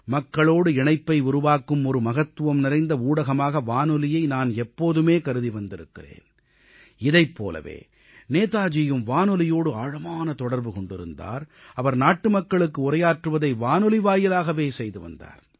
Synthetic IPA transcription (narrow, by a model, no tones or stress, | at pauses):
mɐkːɐɭoːɽɯɪɳɐɪpːɐɪʊɾʊʋaːkːɯmɔɾɯmɐɣɐt̪ːɯʋɐmnɪɾɐɪnd̪ɐuːɽɐɣɐmaːɣɐʋaːnɔlɪjɐɪnaːnɛpːoːðɯmeːkɐɾɯðiʋɐnd̪ɪɾɯ̰kːɪrḛːn | ɪðɐɪpːo̰ːlɐ̰ʋḛː | neːt̪aːd͡ʒɪjɯmʋaːnɔlɪjoːɽɯaːɻɐmaːnɐt̪ɔɽɐɾbɯkɔɳɖɪɾɯ̰nd̪a̰ːɾɐʋɐɾnaːʈːɯmɐkːɐɭɯkːɯʊrɐjaːʈrɯʋɐðɐɪʋaːnɔlɪʋaːjɪlaːɣɐʋeːsɛjðɯʋɐ̰nd̪a̰ːɾ